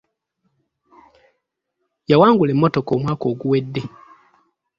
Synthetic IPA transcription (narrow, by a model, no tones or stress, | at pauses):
jawaːŋɡule̞mːotokoːmwaːko̞ːɡuwe̞dːe